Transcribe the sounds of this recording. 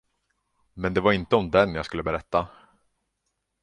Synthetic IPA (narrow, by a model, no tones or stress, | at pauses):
mɛnd̪ɛvaɾɪnt̪əɔmd̪ɛnjaːɡskɵlːəbɛɾɛt̪ːa